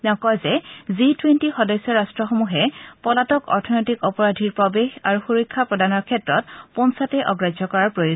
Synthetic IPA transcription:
nɔkɔjzɛzitwentixɔdɔjsːɔɹastɹɔxomuɦɛpɔlatɔkɔ̰ɹtʰɔnɔjtikɔpɔɹadʱiɹpɹɔbexaɹuxuɹokʰːapɹɔdanɔɹkʰɛtɹɔt̚pɔnsatɛʔɔɡɹadʱɔkɔɹaɹpɹojo

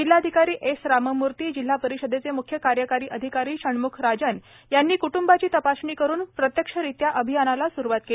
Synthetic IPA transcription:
d͡ʑil̤ːad̪ʱikaɾiːʔesɾaməmuɾt̪iːd͡ʑil̤ːapəɾiɕəd̪ʱet͡semukʰjəkaɾjəkaɾiːʔəd̪ʱikaɾiːɕəɳmukʰɾad͡ʑən | janːiːkuʈumbat͡ɕiːt̪əpasɳiːkəɾuːnpɾət̪jəkʂəɾit̪jaʔəbʱijanalasuɾuʋat̪ke

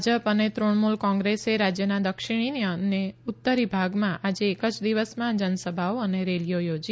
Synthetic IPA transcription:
d͡ʒəpənet̪ɾoɳmulkɔ̃ŋɡɾeseɾad͡ʒjənad̪əkʃiɽ̃ineəneʊt̪ːəɾibʱaɡmãʔad͡ʒeːkəd͡ʒd̪iʋəsmãd͡ʒənsəbʱaoəneɾelijojod͡ʒi

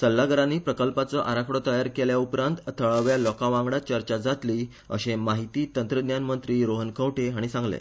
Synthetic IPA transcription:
səlːaɡəɾanːiːpɾəkəlpat͡sɔʔaɾakʰɽɔt̪əjaɾkeljaupɾãnt̪t̪ʰəɭəʋjalɔkaʋãŋɡɽat͡ɕəɾt͡ɕad͡zat̪liː | ə̰ɕemaɦit̪iːt̪ənt̪ɾəd̪njanmənt̪ɾiːɾoɦənkʰəʋʈʰeɦaɽ̃isãŋɡlḛ

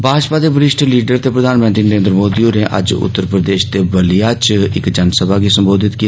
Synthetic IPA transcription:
bʱaːd͡ʒpaːd̪eːbəɾɪʃʈliːɖəɾt̪eːpɾəd̪ʱaːnmə̃nt̪ɾiːnəɾẽːnd̪ɾəmoːd̪ioneʔə̰d͡ʒʊ̰t̪ːəɾpɾəd̪eːʃt̪eːbəlijaːt͡ʃɪkd͡ʒənsəbaːɡisəmboːd̪ʱɪt̪ki

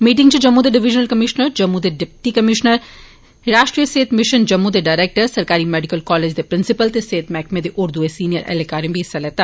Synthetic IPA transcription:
miːʈ̬ɪ̃ŋɡt͡ʃed͡ʒɐmːud̪eɖɪʋɪd͡ʒnəlkɐmɪʃnəɾd͡ʒɐmːud̪eɖɪp̚ʈikɐmɪʃnəɾ | ɾaːʃʈɾijəseːt̪ʰmɪʃənd͡ʒɐmːud̪eɖaːɪɾeːk̚ʈəɾsɐɾkaːɾimeːɖɪkəlkɔːleːd͡ʒd̪epɾɪnsɪpəlt̪eseːt̪ʰmɛːkʰmẽd̪eʔʊɾd̪uesiːnijəɾʔɛ̰ːlekaːɾẽbʱiɦɪsalɛːt̪aː

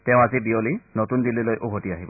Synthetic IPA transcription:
tɛʊ̃azibiolinotundililojʔoɦotiaɦibɔ

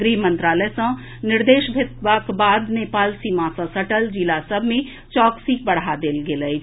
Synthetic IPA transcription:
ɾimə̃nt̪ɾaːləjsə̃ | nɪɾd̪eːʃbʱɪt̪ʋakbaːd̪neːpaːlsimãːsə̃səʈəld͡ʒilasəbʱmẽ | t͡ʃɔːksik̚bəɽad̪eːlɡelə

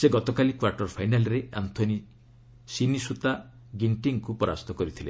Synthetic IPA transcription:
seɡɔt̪ɔkalikwaɾʈɔɾpʰajnalɔɾea̰nt̪ʰɔni | sinisut̪a | ɡiɳʈiŋkupɔɾa̰st̪ʰɔkɔɾit̪ʰile

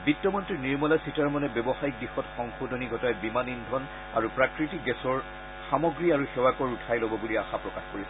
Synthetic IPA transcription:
bitːɔmɔntɹiniɹmɔlasitaɹmɔnɛbɔbɔxajik̚dixɔtxɔŋxodʱɔniɡʱɔtajbimanindʱɔn | aɹupɹakɹitikɡɛsɔɹ | xamɔɡɹiaɹuxɛwakɔɹutʰajlobɔbuliaxapɹɔkaxkoɹisɛ

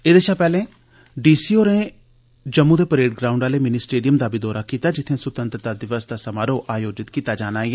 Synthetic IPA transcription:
eːd̪eʃaːpɛːlẽː | ɖiːsiːoːɾẽː | d͡ʒəmːud̪eːpəɾeːɖɡɾaːʊ̃ɳɖaːleːmɪniːsʈeːɖijəmd̪aːbʱiːd̪ɔːɾaːkiːt̪aːd͡ʒɪt̪ʰːẽːsʊt̪ənt̪ɾət̪aːd̪ɪʋəsd̪aːsəmaːɾoːʔaːjoːd͡ʒɪt̪kiːt̪aːd͡ʒaːnaːɛː

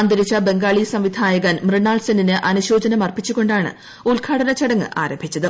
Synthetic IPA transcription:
ɐnd̪ɐɾit͡ɕːɐbe̞ŋɡaːɭisɐmʋid̪ʱaːjɐɣɐnmrɨɳːaːɭsɐninɨʔɐnuɕoːd͡ʑɐnɐmɐrpit͡ɕːukːo̞ɳɖaːɳɨ̰ | ulɡʰʱaːɽɐnɐt͡ɕɐɽɐŋːɨ̰ʔaːɾɐmbʱit͡ɕːɐðɨ

